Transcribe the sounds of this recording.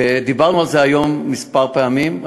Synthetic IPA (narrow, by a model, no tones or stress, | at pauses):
ed̪ibaʁnualzeajo̞mːispaʁpeamim